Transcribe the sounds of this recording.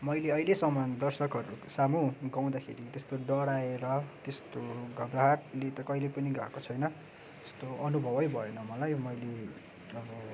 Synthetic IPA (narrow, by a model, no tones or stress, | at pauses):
mʌjleʌjlesʌmːʌnd̪ʌrsʌkɦʌɾusamuɡaw̃d̪akʰḛɾit̪est̪oɖʌɽaeɾʌt̪est̪oɡʱʌbraɦat̪let̪ʌkʌilepʌniɡa̰kot͡sʰʌjnʌ | t̪e̥st̪oʌnubʱʌbʌjbʱʌjenʌmʌlajmʌjle | ʌbʌ